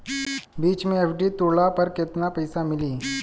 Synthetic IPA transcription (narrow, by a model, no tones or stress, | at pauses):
biːt͡ʃmẽeːpʰɖit̪uɭapɐɾkɪt̪napɐjsamɪliː